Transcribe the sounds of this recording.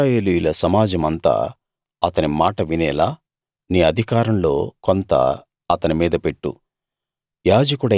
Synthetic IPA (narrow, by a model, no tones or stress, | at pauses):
eːlijulɐsɐmaːd͡ʒɐmɐnt̪a̰ː | ɐt̪ɐnimaːʈɐʋinɛːlaː | niːɐd̪ʱikaːɾɐmlo̞ːkont̪ɐ̰ | ɐt̪ɐnimiːd̪ɐpe̞ʈːṵ | jaːd͡ʒɐkuɽɐ